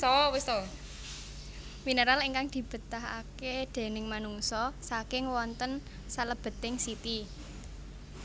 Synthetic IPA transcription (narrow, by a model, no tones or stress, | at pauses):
ɔwist̪o | minəɾaleŋkaŋd̪̥i̤b̥ə̤t̪aɦa̰ked̪̥e̤nɪŋmanuŋsɔsakɪŋwɔnt̪ən | saləb̥ə̤t̪ɪŋsit̪i